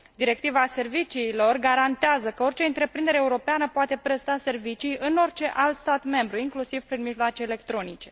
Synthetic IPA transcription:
d̪iɾe̞k̚t̪ivaːse̞rvit͡ʃiːlo̞rɡaɾant̪eazəkəo̞rʲt͡ʃe̞ɨnt̪ɾe̞pɾind̪e̞ɾeːuɾo̞peanəpoat̪e̞pɾe̞st̪ase̞rvit͡ʃijɨno̞rʲt͡ʃe̞ʔalt̪st̪at̪me̞mbɾuiŋklusiv̥pɾinmiʒloat͡ʃeːle̞k̚t̪ɾo̞nit͡ʃe̞

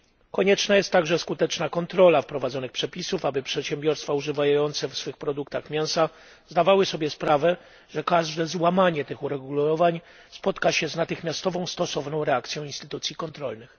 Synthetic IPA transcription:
kɔɲɛt͡ʂnajɛst̪ːaɡʐɛskut̪ɛt͡ʂnakɔnt̪ɾɔlafpɾɔvad̪zɔnɘxpʂɛpʲisufabɘpʂɛt̪ɕɛmbʲjɔɾst̪fauʐɘvajjɔnt̪sɛfsfɘxpɾɔd̪ukt̪axmʲjɛw̃sa | zd̪avawɘsɔbʲjɛspɾavɛ | ʐɛkaʐd̪ɛzwamaɲɛt̪ɘxuɾɛɡulɔvaɲ | spɔt̪kaɕɛznat̪ɘxmʲjast̪ɔvɔ̃w̃st̪ɔsɔvnɔ̃w̃ɾɛakt̪sʲjɔ̃w̃inst̪ɘt̪ut̪sʲjikɔnt̪ɾɔlnɘx

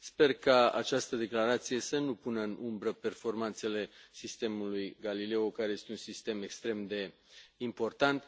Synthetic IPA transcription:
spe̞rkaa̰t͡ʃast̪əd̪e̞klaɾat̪sije̞sənupunəɨnumbɾəpe̞rfo̞rmant̪se̞le̞sist̪e̞mulujɡalile̞okaɾeje̞st̪e̞unsist̪e̞me̞kst̪ɾe̞md̪e̞ | impo̞rt̪ant̪

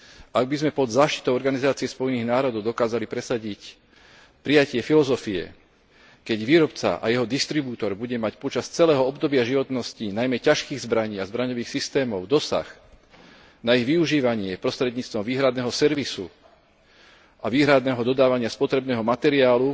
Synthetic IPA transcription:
ʔaɡ̚bizmɛpɔd̪zaːʃt̪i̥t̪ɔʊɔɾɡanizaːt͡siɪɛspɔjniɣnaːɾɔd̪ɔʊd̪ɔkaːzalipɾɛsaɟic | pɾijacɪɛfilɔzɔfiɛ̰ | kɛɟʋiːɾɔpt͡sa̰ʔa̰jɛɦɔd̪ist̪ɾibuːt̪ɔɾbuɟɛmacpɔt͡ʃast͡sɛlɛːɦɔɔbd̪ɔbɪaʒiʋɔt̪nɔscinajmɛcaʃkiːɣzbɾaɲiːazbɾaɲɔʋiːxsist̪ɛːmɔʊd̪ɔsa̰x | naiɣʋiuʒiːʋaɲɪɛpɾɔst̪ɾɛd̪ɲiːt͡st̪ʋɔmʋiːɦɾad̪nɛːɦɔsɛɾʋisṵ | ʔaʋiːɦɾad̪nɛːɦɔd̪ɔd̪aːʋaɲɪaspɔt̪ɾɛbnɛːɦɔmat̪ɛɾiaːlu

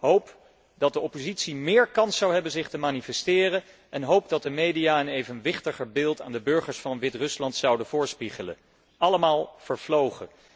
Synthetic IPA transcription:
ɦowp | d̥ɑt̚dəɔpozitsimɪːɹkɑnsɑwɦɛbənzɪχtəmaːnifɛstɪːrə | ʔɛnɦowp̚dɑt̚dəmejdijaːənejvənʋɪχtəχəɹbɪːlˠta̰ːndəbɵɹχəɹsfɑnʋɪtrɵslɑntsɑwdəvʊːɹspiχələ̰ | ɑləmaːlˠv̥əɹv̥lowχə̰

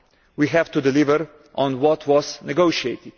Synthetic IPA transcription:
wiɦɛvt̪udɪlɪvəɾ | ʔɔ̃nwɔtʰwɔznɛɡoʊʃieɪt̪ɪd̥

